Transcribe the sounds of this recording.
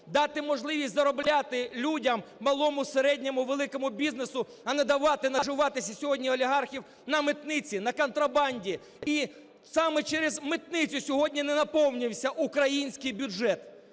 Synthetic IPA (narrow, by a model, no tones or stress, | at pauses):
d̪ɑt̪ɪmɔʒlˠɪʋʲisʲtʲzɐɾɔblʲat̪ɪlʲudʲɐmːɐlˠɔmʊseɾɛdʲnʲɔmʊʋelˠɪkɔmʊbʲiznesʊ | ɐnɛd̪ɐʋɑt̪ɪnɐʒɪʋɑt̪ɪsʲɐsʲɔɦɔdʲnʲiɔlʲiɦɑrxʲiw | nɐmɪt̪nɪt͡sʲinɐkɔnt̪ɾɐbɑnʲdʲi | i | sɑmɛt͡ʃɛɾezmɪt̪nɪt͡sʲʊsʲɔɦɔdʲnʲinɛnɐpɔwnʲiwsʲɐʔukɾɐjinʲsʲkɪjbʲʊʒɛt̪